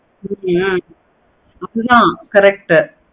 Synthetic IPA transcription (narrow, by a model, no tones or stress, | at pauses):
ɐðɯðãːkɐɾɛk̚ʈ